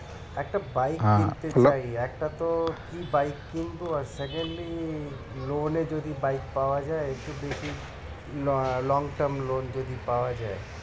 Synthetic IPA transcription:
ɛk̚ʈabajkːint̪et͡ʃaiɛk̚ʈat̪okibajkːint̪oaɾsɛkeɳɖli | loned͡ʒod̪ibajkpawad͡ʒaeeʈubeʃi | lɔŋʈəɾmlond͡ʒod̪ipawad͡ʒae

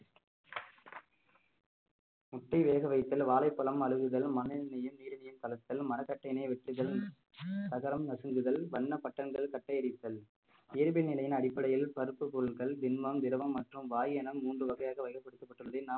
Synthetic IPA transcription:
mʊʈːɐɪʋeːɣɐʋɐɪt̪ːɪlʋaːlɐɪpːɐɭɐmɐlɯɣɯɣɐlmɐnɐɪnɐjɯmniːɾɯnɐjɯmt̪ɐlɐt̪ːɪlmɐnɐkːɐʈːɐjnɐɪʋɛʈrɯɣɐl | t̪ɐɣɐɾɐmnɐsɯŋɡɯðɐlʋɐɳːɐpɐʈːɐŋɡɐɭkɐʈːɐjɐɾɪt̪ːɐl | eːɾbɪnɪlɐjɪnɐɽɪpːɐɽɐjɪlpɐɾɯpːɯpʊɾɯɭɣɐɭd̪ɪnmɐmd̪ɪɾɯʋɐmːɐʈrɯmʋaːjɛnɐmːuːndrɯʋɐɣɐjaːɣɐʋɐɪkɐpːɐɽɯt̪ːɐpːɐʈːɯɭɐðɪnaː

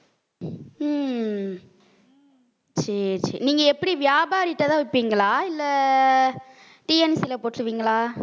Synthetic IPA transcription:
t͡ʃɛt͡ʃɛ̰niːŋɡɐɛpːɐɽiʋɪjaːbaːɾɪʈːɐt̪ãːʋɪpːiːŋɡɐɭaːɪlːɐ | ʈiɛnsɪlɐpoːʈːɾɯʋiːŋɡɐɭaː

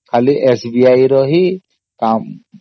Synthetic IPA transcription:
kʰaliʔesbiajɾɔɦi | kam

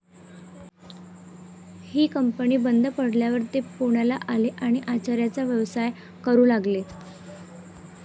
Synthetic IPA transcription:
hiːkəmpəɳ̃iːbənd̪ʱəpəɽljaʋəɾt̪epuɽ̃alaʔaleʔaɽ̃iʔat͡ɕaɾjat͡saʋjəʋsaj | kəɾuːlaɡle

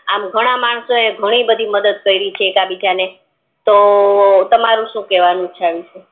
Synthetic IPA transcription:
amɡʱəɽ̃amaɳsoeɡʱəɽ̃ibəd̪ʱiməd̪əd̪̚kəiɾit͡ʃʰeːkabid͡ʒane | t̪ot̪əmaɾũʃũkɛʋanũt͡ʃʰaʋit͡ʃʰe

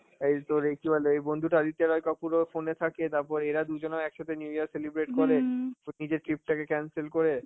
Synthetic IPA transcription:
ejt̪oɾekibʱaleejbond̪ʱuʈad̪it̪ːeɾɔjkapuɾofonet̪ʰaket̪aɾpɔɾeeɾad̪ud͡ʑonaɛkʃat̪ʰenjujaɾselibɾeʈkoɾenid͡ʑeɾʈɾip̚ʈakekɛnselkoɾe

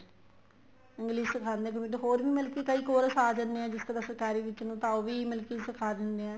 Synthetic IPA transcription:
ɪ̃ŋɡliːsɪkʰaːnd̪ẽk̬əmiʈɦoːɾʋiːmɪlkiːkəiːkoːɾəsaːd͡ʒənd̪eãːd͡ʒɪskad̪əsɾkaːɾiːʋɪt͡ʃːnũːt̪aːoːʋiːmɪlkiːsɪkʰaːd̪ɪnd̪eːãː

